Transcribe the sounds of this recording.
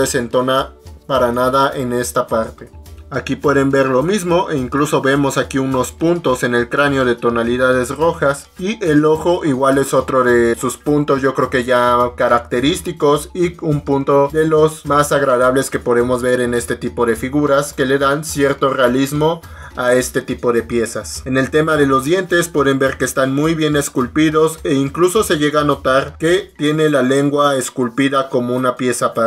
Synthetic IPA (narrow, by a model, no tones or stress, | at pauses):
ese̞nt̪o̞napaɾanaðaʔe̞ne̞st̪apaɾt̪e̞ | akipwe̞ðe̞mbe̞ɾlo̞mizmo̞ʔeiŋkluso̞βe̞mo̞sakiuno̞spunt̪o̞se̞ne̞lkɾaneo̞ð̞e̞t̪o̞naliðað̞e̞zro̞xas | iʔe̞lo̞xo̞ʔiɣwale̞so̞t̪ɾo̞ðe̞suspunt̪o̞zʝo̞kɾeoke̞ʝakaɾakt̪e̞ɾist̪iko̞siumpunt̪oðe̞lo̞zmasaɣɾaðaβ̞le̞ske̞po̞ðe̞mo̞zβe̞ɾe̞ne̞st̪e̞t̪ipo̞ðe̞fiɣuɾaske̞le̞ðansje̞ɾt̪o̞re̞alizmo̞ | ae̞st̪e̞t̪ipo̞ðe̞pje̞sase̞ne̞lt̪e̞maðe̞lo̞zðje̞nt̪e̞spwe̞ðe̞mbe̞ɾke̞eːst̪anmujβje̞ne̞skulpiðo̞se̞iŋkluso̞se̞ʝe̞ɣaːno̞t̪aɾke̞t̪je̞ne̞lale̞ŋɡwae̞skulpiðako̞mo̞unapje̞sapa